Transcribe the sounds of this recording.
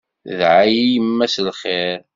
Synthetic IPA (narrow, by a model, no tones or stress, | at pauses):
ðʕajijmːæslχeɾ